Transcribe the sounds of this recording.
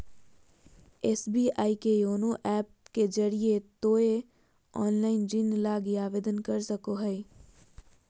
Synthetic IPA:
ɛːsbiːaːikejoːnoʔɛːp̚ked͡ʒɐɾiet̪oːe | ɔːnlaːɪnd͡ʒɪnlaːɡiaːʋeːd̪ənkɐɾsəkoɦɛi

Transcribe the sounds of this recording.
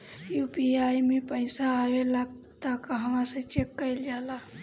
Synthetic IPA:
juːpiaːjmẽpəɪsaaːʋelaɡ | t̪akaɦɐmãset͡ʃekːəild͡ʒaːla

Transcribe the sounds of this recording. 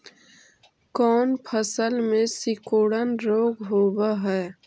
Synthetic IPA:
kɔːnpʰəsəlmẽsɪkoːɽənɾoːɡɦoːbaɦɛː

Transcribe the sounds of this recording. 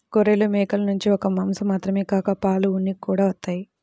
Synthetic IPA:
koɾelumɛːkɐlɐnuɲt͡ʃiɔkɐmɐmsɐmaːt̪ɾɐmeːkaːkɐpaːluunːikːuːɽaːʋɐt̪ːaːji

